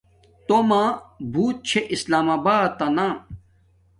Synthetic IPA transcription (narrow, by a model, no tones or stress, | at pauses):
t̪omãːbʱuːt̪̚t͡ɕʰeʔislaːmaːbaːt̪ːɐnã